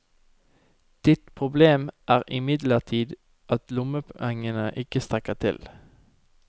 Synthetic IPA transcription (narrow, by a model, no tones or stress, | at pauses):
d̪̥ɪt̪pʰʁʊbleːmʔæːʁɪmɪd̪ləʁt̪ʰiːd̪ | ʔɑt̪lʊməpʰʊɛŋənəʔɪkəst̪ʁɛkət̪ʰɪ̰l